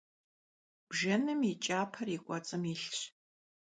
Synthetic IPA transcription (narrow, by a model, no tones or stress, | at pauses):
b̥ʒɐnɨmit͡ʃʼaːpʰɐrikʷʼɔt͡sʼɨmiɬɕ